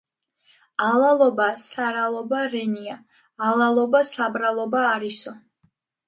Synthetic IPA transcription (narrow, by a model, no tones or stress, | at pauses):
alˠalˠɔbasaɾalˠɔbaɾɛniaː | lˠalˠɔbasabɾalˠɔbaːɾisɔ